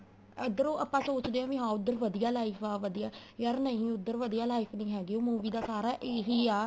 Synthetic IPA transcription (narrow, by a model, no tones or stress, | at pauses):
əd̪əɾoːʔaːpːãːsoːt͡ʃd̪eːãːʋĩːɦãːʊd̪ːəɾʋəd̪ijaːlaːiːpʰaːʋəd̪ijaːjəɾnəĩːʊd̪ːəɾʋəd̪ijaːlaːɪpʰnĩːɦɛːɡeoːmuːʋiːd̪aːsaːɾaːʔeːɦiːaː